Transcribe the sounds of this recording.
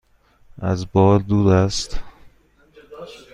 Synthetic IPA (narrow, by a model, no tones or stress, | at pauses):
ʔæzbɒːld̪uːd̪æst̪